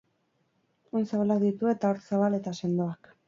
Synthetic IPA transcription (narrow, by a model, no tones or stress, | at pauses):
onsaβalak̚d̪it̪ue̞t̪ao̞ɾt͡saβale̞t̪ase̞nd̪oak